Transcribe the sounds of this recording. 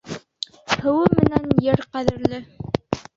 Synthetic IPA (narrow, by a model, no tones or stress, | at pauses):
hɘ̆wɘmɘ̆nænjɘɾqæðɘ̆ɾlɘ